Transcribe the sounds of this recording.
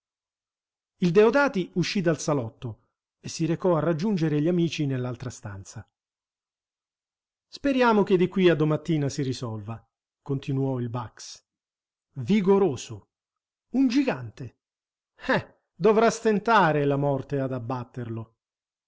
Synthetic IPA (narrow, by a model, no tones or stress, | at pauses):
ild̪eod̪aːt̪iuʃːid̪alsalɔt̪ːo | esːiɾekɔarad͡ʒːund͡ʒeɾeʎamiːt͡ʃinelːalt̪ɾast̪a̰nt̪sa | speɾjaːmok̟ed̪ikːwiad̪ːomat̪ːiːnasirisɔlva | kont̪inuɔilbaks | viɡoɾoːso | und͡ʒiɡant̪e | hɛ | d̪ovɾast̪ent̪aːɾelamɔrt̪ead̪abːat̪ːerlo